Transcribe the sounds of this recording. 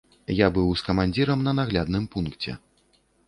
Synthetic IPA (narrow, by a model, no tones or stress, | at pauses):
jabɨwskɐmanʲd͡zʲiɾɐmnɐnaɣlʲad̪nɨmpunkt͡sʲɛ̰